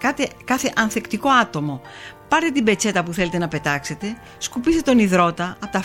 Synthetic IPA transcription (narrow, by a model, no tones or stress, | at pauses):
kɐt̪ekɐθe̞ʔɐnθe̞kt̪iko̞ɐt̪o̞mo̞pɐɾt̪et̪imbe̞t͡se̞t̪ɐpuθe̞le̞t̪e̞nɐpe̞t̪ɐkse̞t̪e̞ | skupist̪et̪o̞niðɾo̞t̪ɐɐt̪ɐ